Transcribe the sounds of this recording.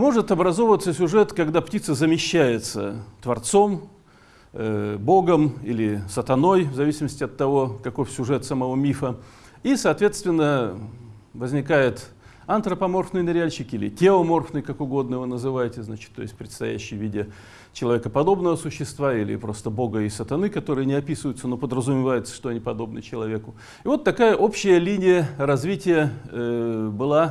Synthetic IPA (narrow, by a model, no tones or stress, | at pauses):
mo̞ʐɨt̪ɐbɾɐzo̞vvət̪səsʲʊʐɛt̪kɐɡd̪aptʲit̪səzəmʲɪɕːæjɪt̪sə̰t̪vɐrt̪so̞m | bo̞ɡəmilʲɪsət̪ɐno̞jvzɐvʲisʲɪməsʲtʲɪɐt̪ːɐvo̞kɐko̞fsʲʊʐɛt̪səmɐvo̞mʲifə | isɐːt̪vʲe̞t̪st̪vʲɪnːə | vəzʲnʲɪkajɪt̪ | ɐnt̪ɾəpɐmo̞rfnɨjnəɾʲɪalʲɕɪkilʲɪ̰tʲeomo̞rfnɨjkakʊɡo̞d̪nəvɨnəzɨvajɪtʲɪznat͡ɕɪt̪ːojsʲtʲpɾʲɪt̪st̪ɐ̰jæ̰ɕːɪjvʲidʲɪ | t͡ɕɪlˠɐvʲe̞kəpɐd̪o̞bnəvəsʊɕːɪst̪vailʲɪ̰pɾo̞st̪əbo̞ɡəɪsət̪ɐnɨkɐt̪o̞ɾɨjənʲɪɐpʲisɨvəjʊt̪səno̞pəd̪ɾəzʊmʲɪvajʊt̪sə̥ʂt̪oɐnʲipɐd̪o̞b̚nɨ̰t͡ɕɪlˠɐvʲekʊ | ɪvo̞t̪ːɐkajəʔo̞pɕːɪjəlʲinʲɪjəɾɐzʲvʲitʲɪjə | bɨlˠa